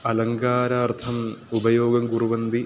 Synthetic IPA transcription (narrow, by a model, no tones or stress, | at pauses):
ɐlɐŋkaːɾaːrt̪ʰɐmubɐjoːɡɐmɡuruʋɐnd̪i